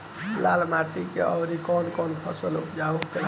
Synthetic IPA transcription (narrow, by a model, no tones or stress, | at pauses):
lalmaʈikeʔəwɾikɔnkɔnpʰəsəlupd͡ʒauk